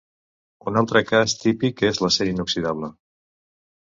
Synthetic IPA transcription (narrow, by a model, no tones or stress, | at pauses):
unalˠt̪ɾəkast̪ipikezləsɛɾiinuksiðaβ̞lə